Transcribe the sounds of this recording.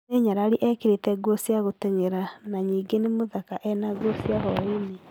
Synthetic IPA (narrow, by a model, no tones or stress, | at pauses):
neɲaɾaɾiʔɛkeɾetɛɡosiaɣotɛɲeɾanaɲiːɡenemoðakaʔɛnaɡosiaɦɔine